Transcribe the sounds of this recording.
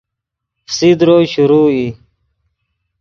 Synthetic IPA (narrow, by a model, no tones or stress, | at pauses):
sid̪ɾoːɕuɾuːi